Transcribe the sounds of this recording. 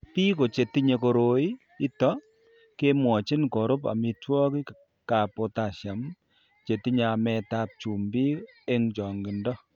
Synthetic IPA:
pi˦ko˨t͡ʃe˨ti˦ɲe˨˧ko˨ɾo˦i˦ | i˦tɔ˦ | ke˦mwɔ˨t͡ʃi˦nkɔ˨ɾʊ˦pa̰˨mi˧twɔ˦ki˦ | ka˨po˨˧ta˨ʃja˨m | t͡ʃe˨ti˦ɲa˨mɛ˧ta˦p̚t͡ʃu˨mbi˦e˦ŋt͡ʃɔ˨ŋɡɪ˨ndɔ˦

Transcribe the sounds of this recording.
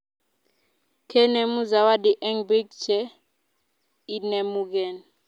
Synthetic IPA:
kʰɛ˦nɛ˨mu˦za˨wa˦di˨ʔɛ˦ŋbi˦ɡ̚t͡ʃɛ˦ | i˦nɛ˨mu˦k̬ɛ˨n

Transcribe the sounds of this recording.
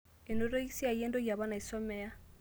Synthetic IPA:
e˨no˨ɾo˦i˦si˦a˨i˨e˦ndɔ˦ja˨βa˦na˨i˨sɔ˦mɛ˦a˦

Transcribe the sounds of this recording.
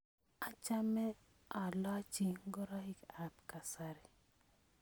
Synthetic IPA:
a˨t͡ʃa˦mɛ˦ | a˨la˦t͡ʃi˨ŋ˦ɡɔ˦ɾa˦hi˦ka˨pka˨sa˦ɾi˨

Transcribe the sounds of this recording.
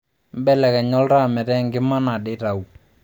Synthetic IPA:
m˦bɛ˦lɛ˨kɛ˨ɲɔ˦lɾa˦˨mɛ˨ɾɛ˦˨ŋɡɪ˦ma˦na˨ɗɪ˦ɾa˨u˨

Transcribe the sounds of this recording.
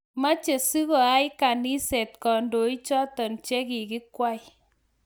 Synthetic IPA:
ma˦t͡ʃe˨su˦kɔ˨a˦jka˨ni˦sɛ˨tkɔ˨ndo˨˦i˦t͡ʃɔ˦tɔ˨nt͡ʃɛ˦ki˨kɪ˦kwa˦j

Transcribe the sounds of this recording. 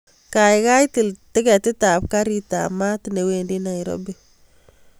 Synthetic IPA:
ka˨jka˦jti˨ltɪ˦kɛ˨tɪ˦tap̚ka˦ɾita̰ma˦tne˨wendi˦na˨iɾɔ̰bi

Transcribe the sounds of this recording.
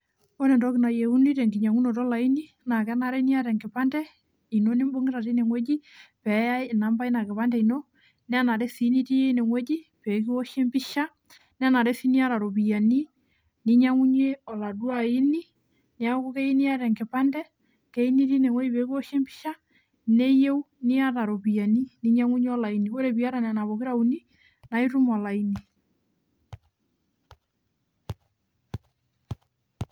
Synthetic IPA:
o˦nɛ˨ndɔ˦kɪ˨na˨je˨u˦ni˦tɛ˨ŋɡi˨ɲa˨ŋu˦nɔ˨tɔ˦la˨i˦ni˦ | na˨kɛ˦na˨ɾɛ˦ni˦a˦ɾɛ˨ŋɡɪ˨pa˦ndɛ˦ | i˨no˦nɪ˦mbo˦ŋɡɪ˦ɾa˨ti˦ne˨ŋwɛ˦d͡ʒi˦pɛ˨ja˦˨na˨mba˦i˦na˨kɪ˨pa˦ndɛ˦i˨no˦ | nɛ˦a˦na˨ɾɛ˦si˨˦ni˦ti˦je˦ne˨ŋwɛ˦d͡ʒi˦pe˨˦k̬i˦ɔ˦ʃe˦mbi˦ʃa˦ | n˦a˦na˨ɾɛ˦si˦ni˦a˦ɾa˨ɾo˨bi˨ja˨ni˦ | ni˦ɲa˦ŋu˦ɲe˦ɔ˨la˨dwa˨i˦ni˦ | ne˨a˦ku˦kɛ˦i˦ni˦a˦ɾɛ˨ŋke˨pa˦ndɛ˦ | kɛ˦i˦ni˦ɾi˦ne˨wɔ˦i˦βe˨ɣɔ˦ʃe˦mbi̥˦ʃa˦ | ne˦je˦u˦ni˦a˦ɾa˨ɾo˨βi˨a˨ni˦ni˦ɲa˦ŋu˦ɲe˦ɔ˦la˨i˦niβo˦ɾe˨βi˦a˦ɾa˨nɛ˨na˨βo˨ɣe˦ɾa˦uni˦ | na˨i˦ɾu˦mɔ˨la˨ini˨

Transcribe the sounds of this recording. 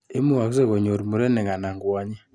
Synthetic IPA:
e˦mu˦a˨kze˦˨ɣo˨ɲo˨ɾi˨mu˨ɾe˦ne˨ŋa˨na˨ŋɡwa˨ɲe˦

